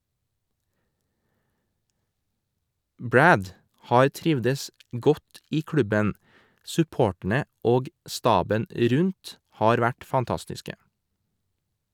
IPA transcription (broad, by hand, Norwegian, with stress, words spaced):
ˈbɹæd ˈhɑːɾ ˈtɾɪʋdəs ˈɡɔt ˈiː ˈkɹʉbən sʉˈpoːʈɳ̩ə ˈoːɡ ˈstɑːbən ˈɾʉnt ˈhɑːɾ ˈʋæʈ fɑnˈtɑstɪskə